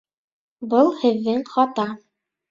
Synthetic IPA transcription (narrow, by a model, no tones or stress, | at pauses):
bɤlˠhɘ̆ðːɘŋχɑt̪ɑ